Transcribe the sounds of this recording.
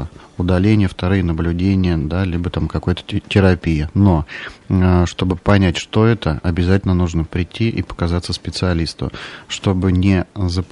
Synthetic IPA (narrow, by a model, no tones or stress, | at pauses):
əʊd̪ɐlʲenʲɪjəft̪ɐɾɨjənəblʲʉdʲenʲɪjəd̪alʲibət̪amkɐko̞jət̪ə̥tʲɪɾɐpʲijɪno̞ | ʂt̪o̞bɨpɐnʲætʲʂt̪o̞ɛt̪əɐbʲɪzatʲɪlʲnənuʐnəpɾʲɪtʲːiʔḭpə̥kɐzat̪sːəspʲɪt̪sɨɐlʲist̪ʊ̰ʂt̪o̞bɨnʲɪzəp